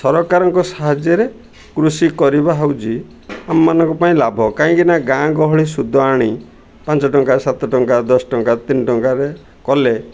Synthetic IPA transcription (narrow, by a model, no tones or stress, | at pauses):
sɔɾɔkaɾɔŋkɔsaɦad͡ʒjɔɾe | kɾusikɔɾibaɦawt͡ʃi | amɔmanɔ̃ŋkɔpaĩlabʱɔkaĩkinaɡãɡɔɦɔɭisud̪ʱːɔaɽ̃i | pãnt͡ʃɔʈɔŋkasat̪ɔʈɔŋkad̪ɔsɔ̥ʈɔŋkat̪inɔʈɔŋkaɾe | kɔle